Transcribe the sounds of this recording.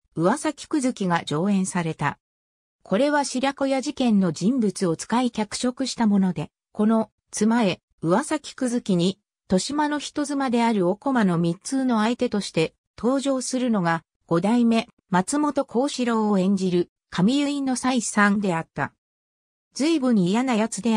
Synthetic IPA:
ɯ̟βasakʲi̥kɯ̟zɨkʲiɡad͡ʑo̞ːẽ̞ɰ̃saɾe̞t̪a̰ | kʰo̞ɾe̞βaɕiɾʲako̞jaʑikẽ̞nːo̞d͡ʑĩmbɯ̟t͡sɨo̞t͡sɨ̥kaikʲakɯ̟̥ɕo̞kɯ̟ɕi̥t̪amo̞no̞d̪e̞ | ko̞no̞ | t͡sɨmae̞ | ɯ̟βasakʲi̥kɯ̟zɨkʲiɲ̟i | t̪o̞ɕimano̞çi̥t̪o̞zɨmad̪e̞aɾɯ̟o̞ko̞mano̞mʲit͡sɨːno̞ait̪e̞t̪o̞ɕi̥t̪e̞ | t̪ʰo̞ːʑo̞ːsɨɾɯ̟no̞ɡa | ɡ̥o̞d̪aime̞ | mat͡sɨmo̞t̪o̞kʰo̞ːɕiɾo̞ːoẽ̞ɲ̟d͡ʑiɾɯ̟ | kʰamʲijɯ̟ĩnːo̞saisãnd̪e̞at̪ːa̰ | d͡zɨibɯ̟̃ɲ̟ːijanajat͡sɨd̪e̞

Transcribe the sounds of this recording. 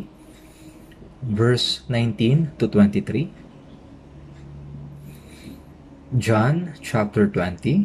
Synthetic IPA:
vɛɹsnãjnt̪ĩnt̪ut̪wɛ̃nt̪it̪ɾi | d͡ʒãnt͡ʃap̚t̪ɛɹt̪wɛ̃nt̪i

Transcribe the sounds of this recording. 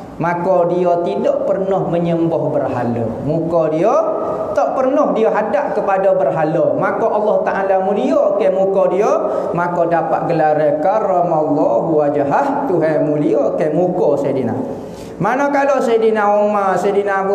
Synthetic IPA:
makɔdiot̪idɔʔpərnɔhməɲəmbɔhbərɦa̰lɔ̰ | mukɔdiɔ | t̪ɔʔpərnɔhdioɦadaʔkəpadɔbərɦalɔmakɔʔɑlːɔht̪aʔalamuliɔkemukɔdiɔ | makodapa̰ʔ̪̚ɡəlaɾəkarɔmalːɔbuad͡ʒaɦaht̪uɦɛmuliɔʔkemukɔsajdina̰ | manokalosajdinaomasajdinab

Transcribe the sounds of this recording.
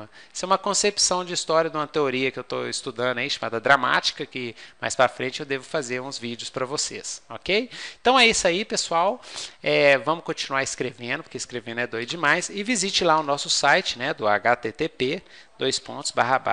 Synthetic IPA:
ɐɛsɛũmɐkõsepsɐ̃w̃d͡ʒɪist̪ɔɾiɐd̪ũmɐt̪eoɾiɐkɪewt̪o̰ist̪ud̪ɐ̃nd̪ʊɐiʃama̰d̪ɐd̪ɾama̰t͡ʃi̥kɐkɪma̰jspɾɐfɾẽnt͡ʃɪewd̪evʊfazeɾũzvid͡ʒiʊspɾɐvosḛsɔkej̃t̪ɐ̃w̃ɛisaipesuawɛvɐ̃mʊkõt͡ʃinuaɾɪskɾevẽnd̪ʊpoɾkeiskɾevẽnʊɛd̪ojd͡ʒɪmajsɪvizit͡ʃɪlaʊnɔsʊsajt͡ʃɪnɛd̪ʊaɡat̪et̪epe | d̪ojspõ̰t̪ʊ̥zbaɦɐba̰

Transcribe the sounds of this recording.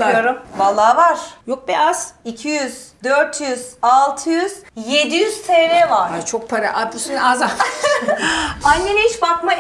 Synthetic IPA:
joɾumvalˠːaːvaɾ̥jok̚biʔaz̥icʰijyz̥d̪øɾt̪ʰjyz̥alˠt̪ʰɯjyz̥je̞d̪ijyz̥t̪ʰeɾeːvaɾat͡ʃʰok̚pʰaɾaʔad̪lɯsinaza | anːeniiʃbakma

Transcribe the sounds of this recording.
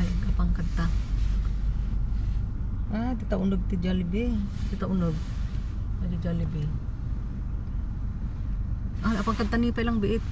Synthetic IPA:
jɡapaŋkət̪a | at̪it̪aundɔɡ̚t̪id͡ʒalibet̪it̪aundoɡ̚ | ad͡ʒud͡ʒalibe | alapaŋkət̪ːanipailaŋbeʔet̪

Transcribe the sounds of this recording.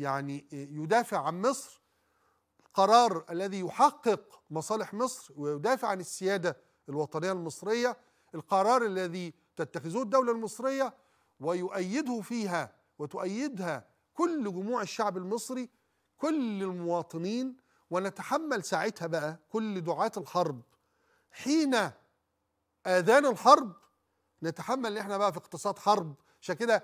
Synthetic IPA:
jaʕnijʊd̪æːfɪʕʕanmɨsˤɾ | lqɑɾˤɑːɾˤʔælːæðiːjʊħɑqːɨqmɑsˤɑːlɪħmɨsˤɾwɪjʊd̪æːfɪʕanɪsːɪjæːd̪æ | ɪlwɑt̪ˤɑnɪjːalmɨsˤɾɪjːa | ʔɪlqɑɾˤɑːɾˤʔalːæði | t̪at̪ːaxɪzuːɪd̪ːawlalmɨsˤɾɪjːa | wɪjʊʔæjːɪd̪hʊfiːɦæ | wɪt̪ʊʔæjːɪd̪hæ | kʊlːɡʊmuːʕɪʃːaʕbɪlmɨsˤɾi | kʊlɪlmʊwɑːt̪ˤɨniːn | wɪnæt̪aħamːælsaːʕɪt̪hæbæʔækʊlːd̪ʊʕaːt̪ɪlħɑɾˤb | ħiːnæ | ʔæːðæːnɪlħɑɾˤb | nɪt̪aħamːælːiʔeħnæbæʔæfiɪqt̪ɨsˤɑːd̪ħɑɾˤb | ʕaʃæːnkɪd̪æ

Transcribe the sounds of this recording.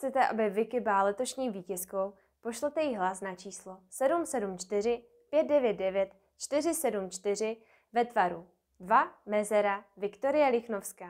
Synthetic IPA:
t͡sɛt̪ɛʔa̰bɪvɪkɪbɪlalɛt̪o̞ʃɲiːviːcɛsko̞w | po̞ʃlɛt̪ɛjɪɦlasnat͡ʃiːslo̞sɛdumsɛdumt͡ʃt̪ɪr̝ɪ | pjɛt̪̚dɛvjɛt̪̚dɛvjɛt̪ | t͡ʃt̪ɪr̝ɪsɛdumt͡ʃt̪ɪr̝ɪ | vɛt̪vaɾu | dvamɛzɛɾavɪkt̪o̞ɾɪjɛlɪxnofskaː

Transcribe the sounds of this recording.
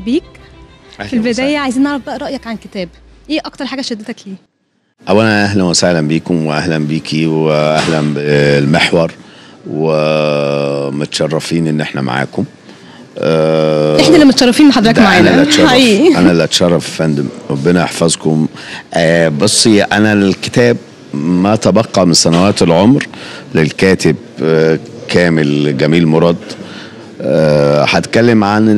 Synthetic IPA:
biːk̚ | filbed̪æːjæʕajziːnʔɑʕɾˤɑfbæʔæɾˤɑʔjɑkʕanket̪æːbʔeːʔɑkt̪ɑɾˤħaːɡæʃed̪ːet̪ækliː | ʔæwːænæʔæhlænwesæhlænbiːkomweʔæhlænbiːkʰiweʔæhlæmbelmeħwɑɾˤwe | mot̪ʃɑrˤːɑfiːnʔenːʔeħnæma̰ʕa̰ːkom | ʔæeħnælːæmʊt̪ʃɑɾˤːɑfiːnːħɑd̪ˤɾɑd̪aʕaænælʔæt̪ʃɑˤifːʔænælːʔæt̪ʃɑrˤːɑffænd̪emɾˤɑbːenæʔɑħfɑzkom | ʔæbɑsˤːʔænækɪ̥t̪æːb̚ | mæʔt̪æbɑqːɑmɪnsænæwæːt̪elʕomɾlelkæːt̪ɪb | kʰæːmelɡæmiːlmoɾˤɑd̪ˤ | ħæt̪kælːemʕan

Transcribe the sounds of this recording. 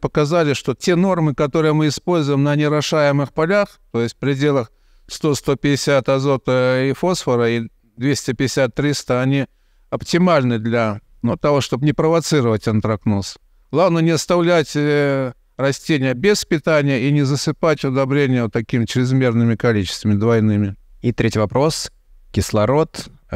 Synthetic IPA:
pəkɐzalʲɪʂt̪o̞tʲeno̞rmɨkɐt̪o̞ɾɨjəmɨɪspo̞lʲzʊjɪmnənʲɪɾɐʂajɪmɨxpɐlʲaxt̪o̞jɪsʲtʲfpɾʲɪdʲe̞lˠəx | st̪o̞st̪o̞pʲɪdʲɪsʲat̪ɐzo̞t̪əifo̞sfəɾəi | d̪vʲesʲtʲɪpʲɪdʲɪsʲat̪ːɾʲist̪əɐnʲi | ɐptʲɪmalʲnɨd̪lʲɐ | not̪ːɐvoʂt̪o̞bnʲɪpɾəvɐt̪sɨɾəvətʲənt̪ɾɐknos | lˠavnənʲɪɐst̪ɐvlʲætʲ | rɐsʲtʲenʲɪjəbʲɪspʲɪt̪anʲɪjəinʲɪzəsɨpatʲʊd̪ɐbɾʲenʲɪjət̪ːɐkʲimʲɪt͡ɕɾʲɪzmʲe̞rnɨmʲɪkɐlʲit͡ɕɪ̥st̪vəmʲɪd̪vɐjnɨmʲɪit̪ɾʲetʲvɐpɾo̞s | kʲɪslˠɐɾo̞t̪

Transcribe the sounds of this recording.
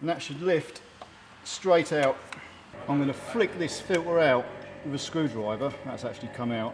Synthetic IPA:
ə̃nðətʃədˡlɪft | stɹ̥eɪtʰaʊt | ãɪ̃mɡʌnəflɪk̚ðɪsfɪlˠʔwəɹaʊtwɪvəskɹʉːdɹaɪvəðə̰tsa̰k̚t͡ʃʉl̩ˠikʰʌ̃maʊt

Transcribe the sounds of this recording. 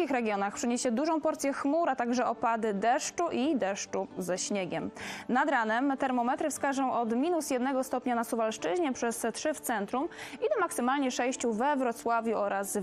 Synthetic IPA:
ixɾɛɡʲjɔnaxpʂɘɲeɕɛd̪uʐɔ̃w̃pɔɾt̪sʲjɛxmuɾat̪aɡʐɛʔɔpad̪ɘd̪ɛʂt͡ʂuʔid̪ɛʂt͡ʂuzɛɕɲɛɡʲɛmnad̪ɾanɛmt̪ɛɾmɔmɛt̪ɾɘfskaʐɔ̃w̃ʔɔd̪mʲinusjɛd̪nɛɡɔst̪ɔpɲanasuvalʂt͡ʂɘʑɲɛpʂɛst̪ʂɘft̪sɛnt̪ɾumid̪ɛmaksɘmalɲɛʂɛjɕt͡ɕuvɛvɾɔt̪swavʲjuɔɾas

